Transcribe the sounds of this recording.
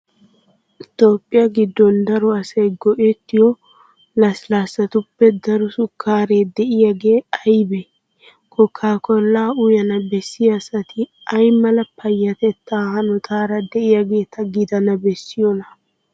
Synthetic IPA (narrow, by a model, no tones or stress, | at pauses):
ɪt̪o̞ːpʼːɪjɐɡɪd̪ːɔnd̪ɐɾɔɐsɐjɡɔʔɛt̪ːɪjɔ | lɐslaːsːɐt̪ʊpːɛd̪ɐɾʊsʊkʰːaːɾeːd̪ɛʔɪjaɡe̞ːɐjbɛ | kʰɔkʰːaːkɔlːaːʊjɐnɐbɛsːɪjɐsɐt̪ʰɪ | ɐjmɐlɐpʰɐjːɐt̪ɛt̪ːaːhɐnɔt̪ʰaːɾɐd̪ɛʔɪjaɡe̞ːt̪ʰɐɡɪd̪ɐnɐbɛsːɪjɔnɐ